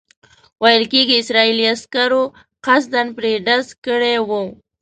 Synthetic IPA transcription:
wajəlkeɡiɪsɾɑiliaskaɾo | qas̬d̪anpɾeɖazkəɽewu

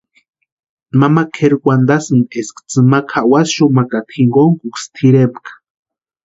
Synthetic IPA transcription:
mamakʰeɾkʷand̪asɨneskt͡sɨmakʰaʔwasʃomakat̪ʰxiŋɡoŋkukst̪ʰiɾepkḁ

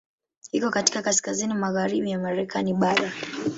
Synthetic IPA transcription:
hikɔkati̥kakaskazinimaɣaɾiɓijamaɾɛkʰaniɓaɾa

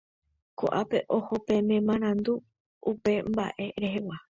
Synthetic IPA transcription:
ko̰ʔape̞ʔohopẽ̞mẽmãɾ̃ãnd̪u | upe̞mba̰ʔe̞ɾe̞ɦe̞wa

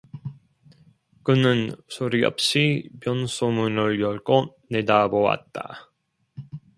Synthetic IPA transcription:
kɯnɯnsʰoɾiʌ̰p̚ɕ͈ipjʌnsʰomunɯɭjʌɭk͈o | nedabowa̰t̚t͈a̰

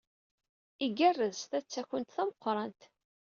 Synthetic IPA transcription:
iɡærːəzθæt͡sːæçənt̪θæməqːɾˤɑnt̪

